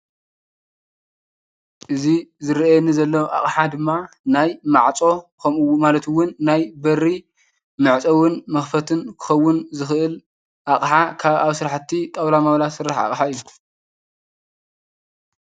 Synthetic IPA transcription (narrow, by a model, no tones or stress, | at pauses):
ʔɨzizɨɾʔjɛnːizɐlːɐwʔa̰χʼħad̪ɨmːa | najmaʕt͡sʼo̞kʰɐmwmalɐt̪ʰuwːʊnːajbɐrːi | mɨʕt͡sʼɐwʊnmɐxfɐt̪ʰɨnkʰɨ̥xɐwːʊnzɨxɨʔɨl | ʔaχʼħakʰaβaβsɨɾaħt̪ʰːit̪ʼɐwlamawlasɨɾːaħa̰χʼħaɨjːu